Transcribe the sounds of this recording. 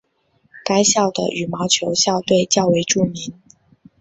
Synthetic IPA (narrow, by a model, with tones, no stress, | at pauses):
ka˥ɪɕjɑ˥˩ʊd̪ə̰˩ʔy˨˩mɑ˧˥ʊt͡ɕʰjo˧˥ʊɕjɑ˥˧ʊt̪we˥˧ɪt͡ɕjɑ˥˩ʊwe˧˥ɪʈ͡ʂu˥˩mi˧˥˦n